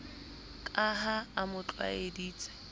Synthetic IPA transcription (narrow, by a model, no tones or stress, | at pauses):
kʼaɦaːmʊt͡ɬʼwa̰ediːt͡sʼɛ̥